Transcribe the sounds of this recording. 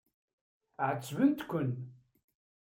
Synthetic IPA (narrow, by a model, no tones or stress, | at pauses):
ʕət͡sːvənt̪kʷːən